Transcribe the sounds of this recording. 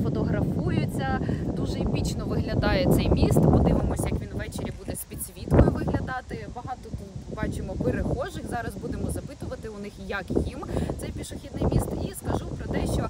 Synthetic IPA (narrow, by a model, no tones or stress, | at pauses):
fɔt̪ɔɦɾɐfujʊt͡sʲːɐd̪uʒɛipʲit͡ʃnɔʋɪɦlʲɐd̪ɑjet̪sɛjmʲist̪pɔd̪ɪʋɪmɔsʲjɐkʋʲinʋʋɛt͡ʃeɾʲibud̪ɛsʲpʲid̪ʲsʲʋʲit̪kɔjʊʋɪɦlʲɐd̪ɑt̪ɪbɐɦɑt̪ɔbɑt͡ʃɪmɔpeɾɪxɔʒɪxzɑɾɐzbud̪emɔzɐpɪt̪ʊʋɐt̪ɪʊnɪxjɐkjimt̪sɛjpʲiʃɔxʲid̪nɪjmʲist̪iskɐʒupɾɔt̪ɛʃt͡ʃɔ